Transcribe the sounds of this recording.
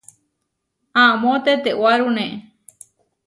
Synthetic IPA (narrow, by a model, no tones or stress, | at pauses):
ãmõt̪et̪eʔwaɾunẽʔe